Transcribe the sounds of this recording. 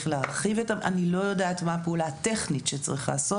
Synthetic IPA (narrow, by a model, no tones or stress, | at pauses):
χlaːʁχivetamʔa̰nilo̞jo̞daːtmapeulate̞χnitʃet͡sʁiχla̰ːso